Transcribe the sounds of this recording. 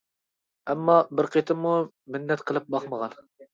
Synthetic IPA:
ɛmːɑbɪɾqʰet̪ʰɪmːu | mɪnːɛt̪qʰəlˠɨp̚bɑχməʁɑn

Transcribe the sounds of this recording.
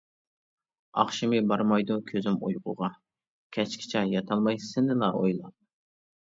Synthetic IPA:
ɑ̰χʃimɨbɑɾmɑjd̪ukʲʰøzɪmṵjqʊ̰ʁɑ | kʲʰɛt͡ʃkʲʰɪ̥t͡ʃʰɑjɑt̪ʰɑlˠmɑjsɨnɨlˠɑojlˠɑ̰p̪̚

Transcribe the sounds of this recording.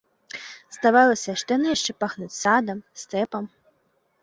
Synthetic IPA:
zd̪avalˠɐsʲɐʂt̪ɛnɐjaʂt͡ʂɛpaxnut͡sʲsad̪ɐmst̪ɛpɐm

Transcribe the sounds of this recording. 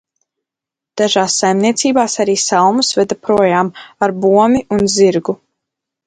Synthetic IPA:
d̪̥aʒaːsːajmniɛt̪siːbaːsaɾiːsalˠmusvɛd̪apɾuɔjaːmaɾbuɔmiʔunziɾɡu

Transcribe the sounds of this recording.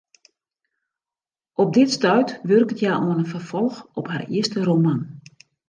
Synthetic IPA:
ɔp̚dɪtstœɥtʋørkətʰjaːʔoənəfərfɔlˠxɔpharḭəstəroman

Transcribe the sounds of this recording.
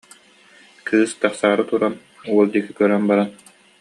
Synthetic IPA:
kʰɯːst̪aχsaːɾɯt̪uɾan | uɔlˠd̪ikikœɾœnbaɾan

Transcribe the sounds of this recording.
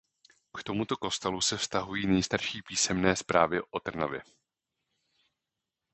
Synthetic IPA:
kt̪o̞mut̪o̞ko̞st̪ɛlusɛfst̪aɦujiːnɛjst̪aɾʃiːpiːsɛmnɛːspɾaːvɪʔo̞t̪r̩na̰vɪ̰

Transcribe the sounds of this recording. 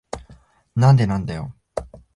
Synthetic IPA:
nand̪enand̪eo̰

